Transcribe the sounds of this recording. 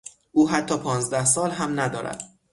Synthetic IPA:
ʔuːɦæt̪ʰːɒːpʰɒːnzd̪æhsɒːlɦæmnæd̪ɒːɾæ̰d̪̥

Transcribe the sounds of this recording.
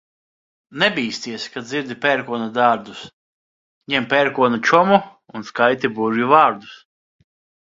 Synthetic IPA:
nɛbʲiːst̪iɛskad̪zʲiɾd̪ʲipʲɛɾkuɔnud̪aːɾd̪us | ɲɛmpʲɛɾkuɔnut͡ʃɔmu | unskajt̪ibuʒivaːɾd̪u̥s

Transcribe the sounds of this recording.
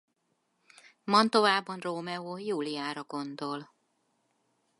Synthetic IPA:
mɒnt̪o̞vaːbːɒnroːmɛoːjuːliaːɾɒɡo̞nd̪o̞l

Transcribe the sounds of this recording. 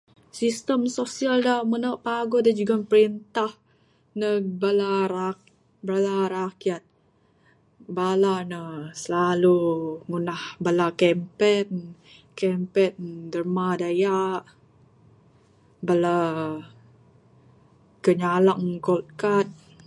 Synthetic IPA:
sist̪əmsosialdamənaʔpaɡodad͡ʒuɡanpəɾint̪ah | nəbalaɾa | balaɾakjat̪̚ | balanəsəlaluŋunahbalakɛmpɛt̪̚ | kɛmpɛt̪̚dərmadajaʔ | bala | kəɲalaŋkolt̪̚kat̪̚

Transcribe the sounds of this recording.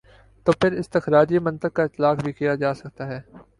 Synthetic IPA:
t̪oːpʰɪɾɪst̪ɪxɾaːd͡ʒimɐ̃nt̪əɡ̚kaɪt̪ːɪlaːkbʱikijad͡ʒaːsɐkt̪aɦɛː

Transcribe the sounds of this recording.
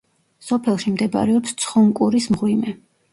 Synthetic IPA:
sɔpʰɛlˠʃimd̪ɛba̰ɾɛɔpst̪sʰχɔmkʼuɾismʁwimɛ

